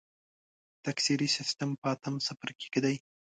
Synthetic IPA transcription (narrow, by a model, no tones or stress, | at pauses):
t̪aksiɾisɪst̪ampəɑt̪əmsafaɾkʲe̥ked̪aj